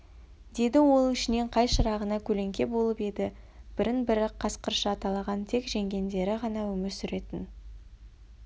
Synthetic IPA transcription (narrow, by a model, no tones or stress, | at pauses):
d̪e̞d̪ɪwo̞lˠɪʃɪne̞ɴqʰɑjʃəɾɑʁənɑkʲʰɵle̞ŋkʲe̞bo̞lˠəpe̞d̪ɪ | b̥ɪɾɪnbɪɾɪqʰːɑsqəɾʃɑːt̪ɑlˠɑʁɑnt̪ʰe̞kʒe̞ŋɡʲe̞nd̪e̞ɾɪʁɑnɑɵmɪɾsʏɾe̞t̪ɪn